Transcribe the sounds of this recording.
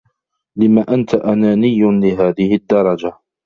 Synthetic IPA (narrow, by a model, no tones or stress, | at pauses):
lɪmaːʔant̪aʔanaːnɪjːʊlɪɦaːðɪhɪd̪ːɑɾˤɑd͡ʒa